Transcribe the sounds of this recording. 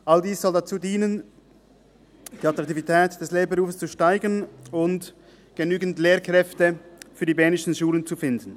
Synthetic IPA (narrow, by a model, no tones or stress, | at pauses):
ʔaldiːssɔldat͡suːdiːnən | d̥iːatɾaɑktivitʰɛːtd̥ɛsleːɐbəʁuːfəst͡suʃtaɪɡənʊnt | ɡ̥ənyːɡn̩tleːɐkʁ̥ɛftəfyːɐdiːbɛːnɪʃn̩ʃuːlənt͡sufɪndn̩